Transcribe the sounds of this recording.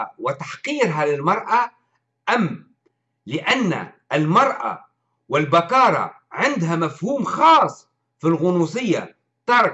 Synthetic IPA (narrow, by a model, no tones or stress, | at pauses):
wɪt̪aħqiːɾɦalɪlmɑɾˤʔa | ʔamː | lɪʔanːa̰ | almɑɾˤʔa̰ | wɪlbakɑːɾˤɑ̰ | ʕɪnd̪ɦamafhuːmxɑːsˤː | filɣʊnuːs̬ˤɪjːa̰ | t̪ɑɾˤ